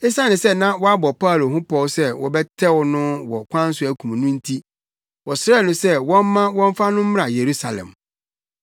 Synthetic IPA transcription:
e˦sã˦nɪ̃˨sɛ˦nã˦wɔ˦a˦bɔ˨pa˦˨lo˨ɦũ˦pɔ˨wsɛ˦wɔ˨bɛ˦tʰɛ˦wɔ˨nʊ̃˦wɔ˨kʷʰã˦n˦sʊ˨˦æ˨kʰũ˨m̃˨nʊ̃˦n̩˦tʰi˦ | wɔ˨sɪ˦ɾɛ˦˨nʊ̃˦sɛ˦wɔ̃˦m˦mã˦wɔ̃˦ɱ˦fa˦nʊ̃˦m̩˦m˦ã˨je˨ɾu˦sa˨lɛ̰̃˨m

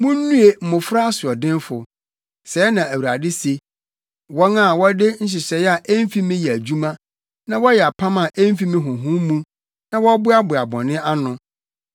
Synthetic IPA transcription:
mʊ̃˦n̩ː˦ũ˦e˨m̩˨mʊ̃˨fɾa˦a˦sʊ˨ɔ˨dɪ̃˦nfʊ˨ | sɛ˨˦nã˨æ˨wu˨ɾa̰˨dɪ˦se˦ | wɔ˦na˦˨wɔ˦dɪ˦n̩˦ɕ̬ɪ˨ɕɛ˨˦ja˨ʔe˦m˦fi˦mɪ̃˦jɛ˨æ˨d͡ʑu˦mã˦ | nã˦wɔ˦jɛ˨a˨pʰã˦mã˦˨ʔe˦m˦fi˦mĩ˦ɦʊ̃˨ɦʊ̃˦m˦mũ˦ | nã˦wɔ˦bʊ˦a˦bʊ˨a˨bɔ̰̃˨nɪ̃˦a˦nʊ̃˨

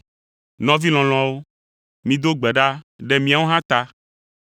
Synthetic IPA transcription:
nɔ̃˨vi˦l̃ɔ̃˨l̃ɔ̃˨wo˦ | mĩ˨d̪o˦ɡ͡bɛ˨ɖa˦ɖɛ˨mĩ˦a˨wo˦ɦã˦t̪a˦

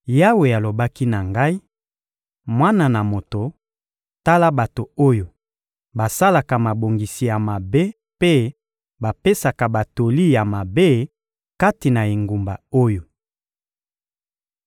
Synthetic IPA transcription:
ja˦we˨ja˨lo˨ba˦ki˦na˨ŋɡa˦i˦ | mwa˦na˨na˨mo˨to˨ | ta˦la˦ba˨to˨o˦jo˨ | ba˨sa˦la˨ka˨ma˨bo˨ŋɡi˨si˨ja˨ma˨be˦ | pe˦ | ba˨pe˦sa˨ka˨ba˨to˨li˦ja˨ma˨be˦ | ka˦ti˨na˨e˨ŋɡu˨mba˨o˦jo˨

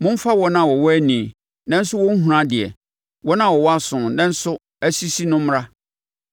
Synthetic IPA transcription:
mʊ̃˦m̩˦fa˦wɔ˦nã˨wɔ˨wɔ˦æ˦nĩ˨ | nã˦n̩˦sʊ˦wɔ˦ŋ̩˦ɦũ˨ɾã˦dɪ˨ɛ̰˨ | wɔ˦nã˦˨wɔ˨wɔ˦a˦sʊ̃˨nɛ̃˦n̩˦sʊ˦ | æ˦si˦si˦nʊ̃˦m̩˦ɾa˦

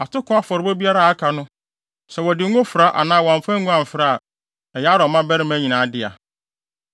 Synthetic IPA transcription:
a˨tʊ˦kʰɔ˦a˦fɔ˨ɾɪ˨bo˦bi˦a˦ɾa˦˨a˦kʰa˨nʊ̃˦ | sɛ˨wɔ˨dɪ˨ŋ̩˦ʊ̃˦fɾa˦ʔa̰˨nãː˦wɔ̃˨ɱ˨fã˦ŋ˦ʊ̃˦ã˨m̩˨fɪ˨˦ɾa˦˨ | ɛ˨jɾɔ˨mã˦bæ˦ɾɪ˦mæ̃˦ɲĩ˨nãː˨˦dɪ˨a̰˨

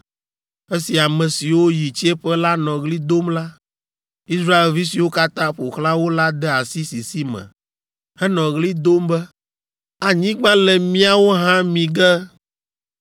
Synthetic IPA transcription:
e˦si˨a˨mɛ̃˨si˨wo˦ji˨t͡ɕi˦e˦ɸɛ˦la˦nɔ̃˨ɣli˦d̪o˦mla˦ | i˦sɾa˦e˨lvi˦si˨wo˦ka˦t̪ã˦ɸo˨xlã˦wo˦la˦d̪ɛ˦a˨si˦si˨si˦mɛ̰̃˨ | hɛ˦nɔ̃˨ɣli˦d̪o˦mbɛ˦ | a˨ɲĩ˦ɡ͡bã˦lɛ˨mĩ˦a˨wo˦ɦã˦mĩ˨ɡɛ˦

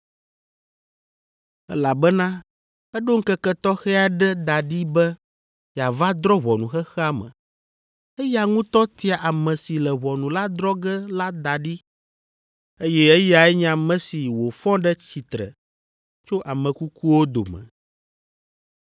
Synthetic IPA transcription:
ɛ̰˦la˨bɛ˦nã˦ | ɛ˦ɖo˦ŋ̩˦kɛ˦kɛ˦t̪ɔ˦xɛ˦a˨ɖɛ˦d̪a˨ɖi˦bɛ˦ | ja˨va˦d̪ɾɔ˦βɔ˨nũ˨xɛ˦xɛ˦a˦mɛ̰̃˨ | ɛ˦ja˨ŋũ˦t̪ɔ˦t̪i˦a˨ʔa˨mɛ̃˨si˨lɛ˨βɔ˨nũ˨la˦d̪ɾɔ˦ɡɛ˦la˦d̪a˨ɖi˦ | e˦jɛ˦e˦ja˨ɛ˦ɲã˨mɛ̃˦si˨wo˨fɔ̃˦ɖɛ˦t͡ɕi˨t̪ɾɛ̰˨ | t͡ʃo˦ʔa˨mɛ̃˨ku˦ku˦wo˦d̪o˨mɛ̰̃˨

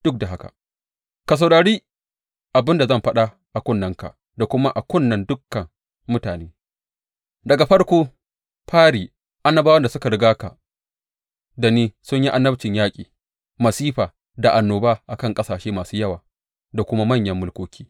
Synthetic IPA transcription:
d̥ʊ˦k̚da˨ɦa˦ka̰˨ | ka˨s̬ɐ˨wɽaː˨ɽiː˦ | ʔa˨bɪ˦nda˨zɐ˦˨mɸɐ˦ɗa˦ | ʔa˨kʷʊ˦˨nːɐ˦ŋka̰˨ | da˨kʷʊ˦ma˦ʔa˨kʷʊ˦˨nːɐ˦ndʊ˦kːɐ˨ŋ | mʊ˦taː˨neː˦ | dɐ˨ɡa˨ɸɐ˦ɽkʷoː˦ | ɸʰaː˦ɽiː˨ | ʔa˦nːɐ˦ba˦wɐ˦nda˨sʊ˦ka˨ɽɪ˦ɡaː˦ka˨ | da˨niː˦sʊ˦ɲji˦ʔa˦nːɐ˦bt͡ʃɪ˨ɲjaː˦kʲʼiː˨ | mɐ˨siː˦ɸaː˨ | da˨ʔa˨nːoː˨baː˦ʔa˨kɐ˦˨ŋkʼɐ˦saː˨ʃeː˦maː˨suː˦jɐ˦waː˨ | da˨kʷʊ˦ma˦mɐ˦˨ɲjɐ˦mːʊ˦lkʷoː˦kʲʰiː˦

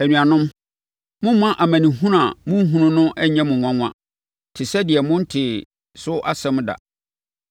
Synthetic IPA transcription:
æ˨ɲũ˨a˨nʊ̃˦m | mʊ̃˦m˦ã˦ʔa˨mæ̃˨nĩ˨ɦũ˦n˦a˨mʊ̃˦ŋ̩˦ɦũ˦nʊ̃˦nʊ̃˦ʔɛ˦ɲã˦mʊ̃˨wʷã˦ŋʷã̰˦ | tʰɪ˨sɛ˦dɪ˨ɛ˨mʊ̃˦n˦tʰɪ˨ | sʊ˦ʔa˦sɛ̃˦mda̰˨

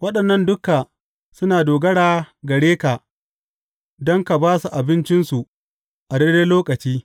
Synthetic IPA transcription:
wɐ˦ɗɐ˨nːɐ˦ndʊ˦kːa˨ | sʊ˦naː˨doː˨ɡɐ˦ɽaː˨ɡɐ˨ɽeː˦ka˨ʔ | dɔ˦ŋka˨baː˦su˨ʔa˨bɪ˦nt͡ʃɪ˦nsu˨ʔ | ʔa˨de˦deː˦loː˦kʼɐ˨t͡ʃiː˦

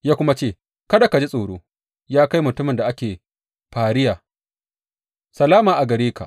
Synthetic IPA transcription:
jaː˦kʷʊ˦ma˦t͡ʃeː˦˨ | kɐ˦da˨ka˨d͡ʒi˦sʼoː˨ɽoː˦ | jaː˦ka˦jmʊ˨tʊ˦mɪ˨nda˨ʔa˦kʲeː˨ | ɸaː˨ɾɪ˦jaː˨ | sɐ˨laː˦maː˨ʔa˨ɡɐ˨ɾeː˦ka̰˨

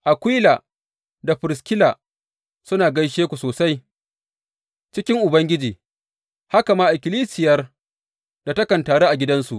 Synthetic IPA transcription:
ʔa˨kʷiː˦la˨ | da˨ɸɾɪ˨s̬kʲɪ˦la˨ | sʊ˦naː˨ɡɐ˦jʃeː˦kʷu˨soː˨sa˦j | t͡ʃɪ˦kʲɪ˦ŋʔʊ˨bɐ˦ŋɡʲɪ˦d͡ʒiː˨ | ha˦ka˨maː˦ʔɪ˨kʲɪ˨liː˦sɪ˨jɐ˦r | da˨tɐ˦kɐ˨ntaː˨ɽe˦ʔa˨ɡʲɪ˦dɐ˦nsṵ˨ʔ

